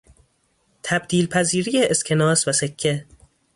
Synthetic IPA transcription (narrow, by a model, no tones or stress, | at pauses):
t̪ʰæbd̪̥iːlpʰæziːɾijeʔeskʰenɒːsvæsekʰːe